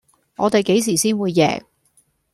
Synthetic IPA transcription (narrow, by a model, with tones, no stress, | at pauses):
ŋɔː˨˧t̪e˨jke˨˥js̬iː˨˩siː˥nwuː˨˧jːɛ̰ː˨˩k̚